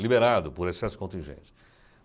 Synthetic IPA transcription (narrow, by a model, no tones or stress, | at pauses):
libeɾad̪ʊpʊɾesɛsʊ̥kõnt̪ĩʒḛ̃nt͡ʃɪ̥